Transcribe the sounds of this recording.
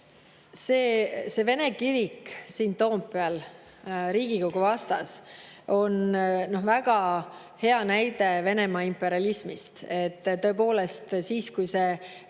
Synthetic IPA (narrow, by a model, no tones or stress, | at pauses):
seːse̞ve̞ne̞kiɾiksiːnt̪o̞ːmpːeɑl | ɾiːɡ̥iko̞ɡuvɑst̪ɑso̞nno̞hvæɡ̥ɑ | he̞ɑnæjd̪e̞ve̞ne̞mɑimpːˑe̞ɾiɑlismist̪et̪ːt̪ːø̞epo̞ːle̞st̪siːskujse̞